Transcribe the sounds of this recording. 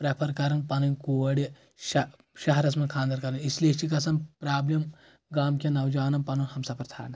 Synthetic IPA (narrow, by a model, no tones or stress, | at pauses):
pɾepʰɐɾkɐɾɐnpɐnɐnkoːɐɽi | ʃɐ | ʃɐɦɐɾɐsmɐnkʰaːnd̪ɐɾkɐɾɐnisliet͡ʃikɐsɐmpɾaːblʲɐm | ɡaːmkʲɐnɐwd͡ʒaːnɐmpɐnunhɐmsɐpɐɾt̪ʰa̰ːnɐ